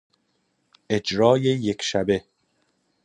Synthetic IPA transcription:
ʔe̞d͡ʒɾɒːjejekʰʃæbe̞

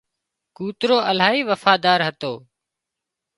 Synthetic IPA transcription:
kuːt̪ɾoːʔəl̤aːɦiːʋəfaːd̪aːɾɦət̪oː

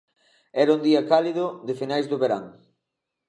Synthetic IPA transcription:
ɛɾund̪iɐkaliðʊdefinajzðʊβeɾa̰ŋ

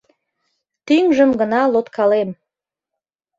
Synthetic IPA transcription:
t̪yŋʒəmɡənɑlot̪kʰɑlem

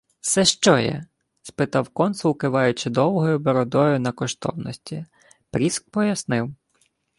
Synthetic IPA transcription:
sɛʃt͡ʃɔjɛ̰ | spɪt̪ɑwkɔnsʊwkɪʋɑjʊt͡ʃɪd̪ɔwɦɔjʊbɔɾɔd̪ɔjʊnɐkɔʃt̪ɔ̰wnɔsʲtʲi | pɾʲisk̚pɔjɐsnɪw

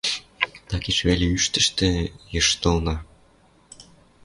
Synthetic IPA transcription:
t̪ɑkiʃβelʲeyʃt̪ə̆ʃt̪ĕjɤʃt̪ɤlnɑ

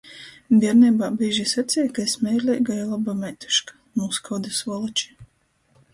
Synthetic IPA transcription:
d̪ʲiɛɾnɛbaːbiːʒisat̪sʲijkaesmʲɛjɾlʲɛjɡajalˠabamʲɛjt̪u̥ʃkḁ | muːskʰɔwd̪asɔlˠɔt͡ʃi̥

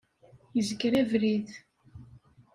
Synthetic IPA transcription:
jəzəkːɾævɾið

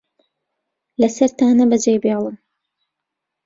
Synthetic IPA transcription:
lɐsɐɾt̪aːnɐbɐd͡ʒejbelˠɨm

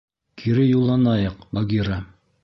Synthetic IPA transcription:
kʰiɾɘjulˠːɑnɑjɤqbɑɡʲiɾa

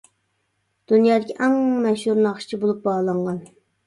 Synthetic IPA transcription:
d̪̥unjɑːd̪ɪkʲʰiʔɛŋmɛʃhuɾnɨɑχʃi̥t͡ʃʰibolˠup̚bɑʁlˠɑɴʁɑn

